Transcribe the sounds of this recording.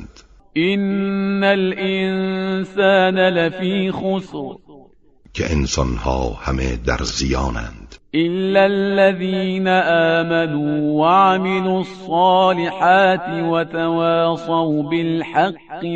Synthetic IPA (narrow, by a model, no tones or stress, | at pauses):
d̪̥ | ʔɪnːalʔɪnsaːnalafiːxʊsɾ | kʰḛʔensɒnhɑːhamḛd̪æ̰ɾzijɑːnæ̰nd̪̥ʔɪlːalːaðiːnaʔaːmanuːwaʕmɪlusˤːɑːlɪħaːt̪wat̪awaːsˤɑwbɪlħɑqː